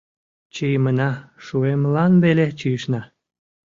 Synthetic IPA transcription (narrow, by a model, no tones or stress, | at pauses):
t͡ɕijmənɑʃuemlɑnβelet͡ɕijəʃnɑ